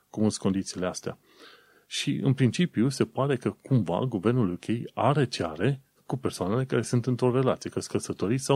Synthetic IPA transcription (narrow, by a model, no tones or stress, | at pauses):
kumust̪ko̞nd̪it̪siːleast̪ea̰ | ʃiɨ̰npɾint͡ʃipijuse̞paɾe̞kəkʰumva̰ɡuve̞rnulukʲejaɾe̞t͡ʃea̰ɾe̞ | kupe̞rsoane̞le̞kaɾe̞sunt̪ɨnt̪ɾo̞ɾe̞lat̪sijekəskəsət̪oɾisa